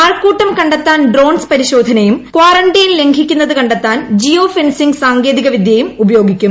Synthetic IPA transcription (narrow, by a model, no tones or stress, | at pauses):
aːrkuːʈːɐmkɐɳɖet̪ːaːnɖro̞ːnspɐɾiɕo̞ːd̪ʱɐnɐjumkwaːrɐɳɖɐjinle̞ŋɡʰʱikʲːunːɐðɨkɐɳɖet̪ːaːnd͡ʑio̞ːfensiŋɡsaːŋɡe̞ːðiɣɐʋid̪ʱjɐjumubɐjo̞ːɡʱikʲːum